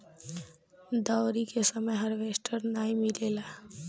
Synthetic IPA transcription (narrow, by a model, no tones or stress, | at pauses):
d̪aʊɾikesəməjɦəɾʋesʈʰəɾnaːimilela